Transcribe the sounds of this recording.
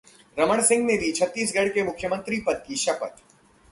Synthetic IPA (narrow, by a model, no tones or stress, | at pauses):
ɾɐməɽ̃sɪ̃ŋɡned̪ʱit͡ʃʰɐt̪ːiːsɡʱɐɽkemʊkʰjəmə̃nt̪ɾipɐd̪̚kiʃɐpə̰t̪